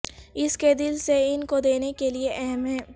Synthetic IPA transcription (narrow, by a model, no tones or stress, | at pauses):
ɪsked̪ɪlseɪnkod̪eːnekelieʔɛɦmɦɛː